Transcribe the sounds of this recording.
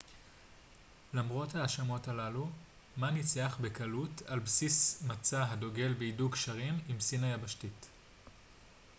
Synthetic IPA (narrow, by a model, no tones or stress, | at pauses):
lamʁo̞thaːʃamo̞talalu | manit͡seaχbekalutʰalbsismat͡saɦado̞ɡe̞lbeidukʃaʁimimsinajabaʃtit